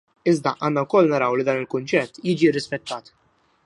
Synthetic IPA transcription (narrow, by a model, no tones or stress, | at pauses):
ɪzd̪ɐʔɐːnːɐwkɔlːnɐɾɐwlid̪ɐːnɪlkʊnt͡ʃɛt̪ːjiːd͡ʒirːɪspɛt̪ːɐːt̪